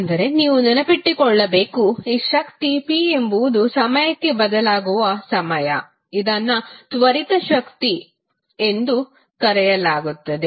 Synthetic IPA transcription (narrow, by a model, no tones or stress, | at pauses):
nd̪ɐɾe̞niːʋuninɐpiʈːikɔɭːɐbe̞ːkuiːʃɐkt̪ipie̞mbuʋd̪usɐmɐjɐkːe̞bɐd̪ɐlaːɡuʋɐsɐmɐjɐ̰ | id̪ɐnːɐt̪ʋɐɾit̪ɐʃɐkt̪i | e̞nd̪u | kɐɾɛjɐlaːɡut̪ːɐd̪e